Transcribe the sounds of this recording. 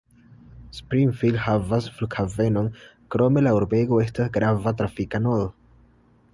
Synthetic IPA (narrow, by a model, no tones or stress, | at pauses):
spɾinfildhavasflukhave̞no̞n | kɾo̞me̞lauɾbe̞ɡo̞e̞stasɡɾavatɾafikanol